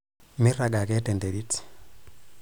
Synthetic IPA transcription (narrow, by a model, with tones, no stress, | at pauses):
mi˦ra˨ɡa˨kɛ˦te˨nde˨ɾi˦ti̥